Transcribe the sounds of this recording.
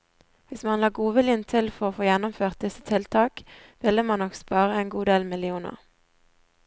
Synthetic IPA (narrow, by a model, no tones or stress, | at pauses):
ʋɪsmɑnlɑːɡuːʋɪlɪənt̪ʰɪlfɔʁoːfoːjɛnɔmføːʁt̪̚d̪ɪsə̥t̪ʰɪlt̪ʰɑːk | ʋɪlːəmɑnɔkspɑːʁəeːnɡuːd̪eːlmɪlɪuːnə̰ʁ